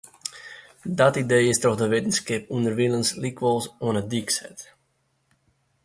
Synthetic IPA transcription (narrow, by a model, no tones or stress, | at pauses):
dɔtidejɪstɾɔχdəʋetənskɪpundərʋilənslikʋɔlˠsɔənədiksɛ̰t